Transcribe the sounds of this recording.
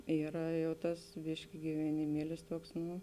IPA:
ˈiːrɐ ˈjɛʊ ˈtɐs ˈbʲɪʃʲkʲɪ ɡʲɪʋʲɛnʲɪˈmʲiɛlʲɪs ˈtuɔks ˈnʊ

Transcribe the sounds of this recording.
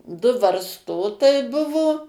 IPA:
dʊ ʋɐrsˈtoːtɐɪ ˈbʊʋoː

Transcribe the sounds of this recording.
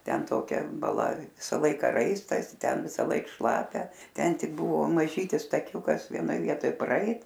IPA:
ˈtʲɛn toːˈkʲɛ bɐˈlˠɐ ˈʋʲɪsɐ ˈlˠɐɪkɐ ˈrɐɪstɐs ˈtʲɛn ʋʲɪsɐˈlˠɐɪk ˈʃlˠɑːpʲɛ ˈtʲɛn ˈtʲɪk ˈbʊʋoː mɐˈʒʲiːtʲɪs tɐˈkʲuːkɐs ʋʲiɛˈnoːj ˈʋʲiɛtoːj prɐˈɛɪt

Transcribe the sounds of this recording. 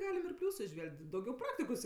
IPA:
ˈɡɑːlʲɪm ɪr ˈpʲlʲuːsʊ ɪˈʒʲʋʲɛlʲkʲtʲ dɐʊˈɡʲɛʊ ˈprɑːktʲɪkoːs

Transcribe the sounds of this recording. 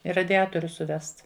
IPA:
ɪ rɐdʲɪˈɑːtoːrʲʊs sʊˈʋʲɛst

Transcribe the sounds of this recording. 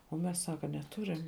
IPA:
oː ˈmʲɛs ˈsɑːkɐ nʲɛˈtʊrʲɪm

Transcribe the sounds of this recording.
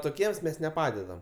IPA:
toːˈkʲiɛms mʲɛs nʲɛˈpɑːdʲɛdɐm

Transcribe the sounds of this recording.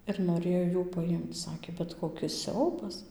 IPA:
ɪr noːˈrʲeːjoː ˈjuː pɐˈjɪmt͡s ˈsɑːkʲeː bʲɛt ˌkoːkʲɪs ˈsʲɛʊbɐs

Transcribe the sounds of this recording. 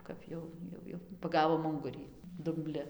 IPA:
ˈkɐp jɛʊ ˈjɛʊ jɛʊ pɐˈɡɑːʋoːm ˈʊŋɡʊrʲiː dʊmʲˈbʲlʲɪ

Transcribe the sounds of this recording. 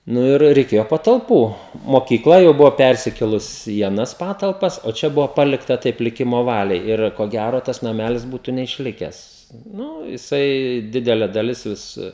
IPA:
ˈnʊ ɪr rʲɛɪˈkʲeːjoː pɐtɐlˠˈpuː moːkʲiːˈklˠɐ jɛʊ ˈbʊʋoː ˈpʲɛrʲsʲɪkʲeːlˠʊs iː ɐˈnɐs pɐtɐlˠˈpɐs oː ˈt͡ʃʲɛ ˈbʊʋoː ˈpɑːlʲɪktɐ tɐɪp lʲɪˈkʲɪmoː ˈʋɑːlʲɛɪ ˈɪr koː ˈɡʲæroː tɐs nɐˈmʲæːlʲɪs ˈbuːtʊ nʲɛɪʃʲˈlʲɪkʲɛs ˈnuː jɪˈsɐɪ ˈdʲɪdʲɛlʲɛ dɐˈlʲɪs ˈʋʲɪs

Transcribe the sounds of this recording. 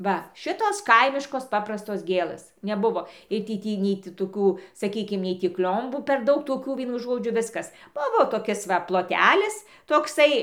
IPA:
ˈʋɐ ˈʃʲɪtoːs ˈkɐɪmʲɪʃkoːs ˈpɑːprɐstoːs ˈɡʲeːlˠɘs nʲɛˈbʊʋoː ˈɪr tʲiː ˈtʲiː nʲɛɪ ˈtʲɪ toːˈkuː sɐˈkʲiːkʲɪm ˈnʲɛɪ tʲiː ˈkʲlʲoːmbuː pʲɛr ˈdɐʊk toːˈkʲuː ˈʋʲiɛnʊ ˈʒoːd͡ʒʲʊ ˈʋʲɪskɐs ˈbʊʋoː toːˈkʲɪs ʋɐ plˠoːˈtʲæːlʲɪs toːkˈsɐɪ

